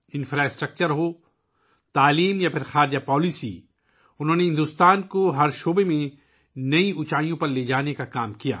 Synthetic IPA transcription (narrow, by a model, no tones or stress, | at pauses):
ɪ̃nfɾaːɪsʈɾək̚t͡ʃəɾɦoː | t̪aːliːmjapʰɪɾxaːɾd͡ʒapɔːlisḭ | ʊnɦõːneɦɪ̃nd̪ʊst̪aːnkoɦɐɾʃoːbemẽ | nɐiʊt͡ʃaːjõpɐɾleːd͡ʒaːnekakaːmkija̰ː